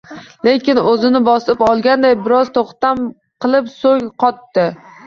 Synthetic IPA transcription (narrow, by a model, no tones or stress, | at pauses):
le̞kʲɪnɵzɪnɪbɒsɪpɒlˠɡʲand̪ajbɪɾɒzt̪ʰoχt̪am | qʰɨlˠɪpsoŋqʰɒt̪ːɪ